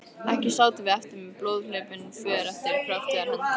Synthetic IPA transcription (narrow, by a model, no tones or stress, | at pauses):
ɛhcɪsaːwt̪ɪvɪɛft̪ɪɾmɛplowðlʏːpɪnfvɛːðɪɾɛft̪ɪɾkʰɾaht̪lɛɣaɾɛn